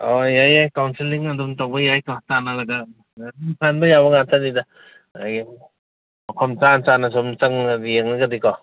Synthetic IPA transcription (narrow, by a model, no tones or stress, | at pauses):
ɔjajajkawnsilːiŋadumtawbɐjajkɔtanalɐɡa | adumkʰanbɐjabaŋatʰanida | aɡi | ɔkʰɔmt͡ʃant͡ʃanasɔmt͡ʃaŋadijeŋnɯɡadikɔ